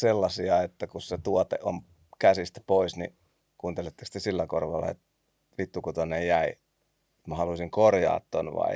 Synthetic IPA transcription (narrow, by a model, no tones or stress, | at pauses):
selːɑsiɑet̪ːækusset̪uot̪ḛʔom | kæsist̪æ̥poisnḭ | kuːnt̪elet̪ːe̥kst̪esilːækorʋɑlːɑ̰ḛt̪ | ʋit̪ːukut̪onejjæi | et̪mæhɑlusiŋkorjɑ̰ːt̪t̪ːo̰nʋɑ̰i